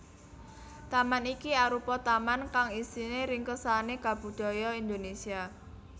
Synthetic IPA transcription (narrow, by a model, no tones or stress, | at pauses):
t̪amanikiaɾupɔt̪amankaŋisineɾɪŋkəsaneɡ̥ä̤b̥ṳd̪̥ɔ̤jɔind̪onesia